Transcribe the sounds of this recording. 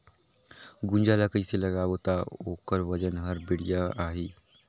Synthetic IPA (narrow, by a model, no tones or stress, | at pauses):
ɡʊ̃nd͡ʒaːlakəiselɐɡaːwot̪aoːkəɾʋɐd͡ʒənɦɐɾbɪɽijaaːɦiː